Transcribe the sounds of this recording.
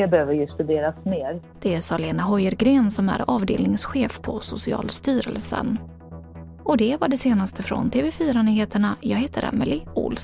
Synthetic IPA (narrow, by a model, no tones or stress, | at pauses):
ɛbɛhøːvəɾjɵst̪ɵd̪eːɾasmeːɾ | d̪̥ɛæsɑleːnaɦɔjəɾɡɾeːnsɔmæ̰ɾɑːvd̪ḛːlnɪŋsɧeːfpʰɔsʊsɪɑ̰ːlst̪yːɾə̰lsə̰n | ʔɔd̪ɛvaɖɛseːnast̪ʰəfɾɔ̰nt̪ʰeːvɛfyːɾanyːheːt̪əɳajɑːɡɦheːt̪ʰəɾʔɛ̰mɪlɪʊ̰ls